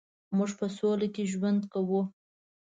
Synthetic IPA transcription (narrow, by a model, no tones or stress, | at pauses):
muʐpəsolakeʒwand̪kawu